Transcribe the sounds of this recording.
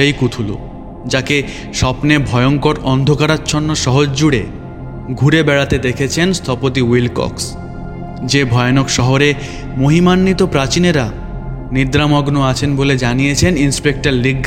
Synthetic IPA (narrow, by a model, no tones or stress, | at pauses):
ejkut̪ʰulo̰ | d͡ʑake | ʃɔpnebʱɔeoŋkoɾɔnd̪ʱokaɾat͡ɕʰonːoʃɔɦod͡ʑd͡ʑuɽe | ɡʱuɾebɛɽat̪ed̪ekʰet͡ɕʰenst̪ʰɔpot̪iwilkɔ̰ks | d͡ʑebʱɔjonokʃɔɦoɾe | moɦimanːit̪opɾat͡ɕineɾa | nid̪ɾamɔɡnoat͡ɕʰenboled͡ʑanijet͡ɕʰeninspek̚ʈaɾliɡʱ